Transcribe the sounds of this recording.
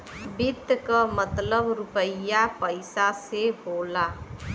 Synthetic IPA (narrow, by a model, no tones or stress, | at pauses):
bid̪ʱkəmət̪ləbɾupəjapəɪsasebola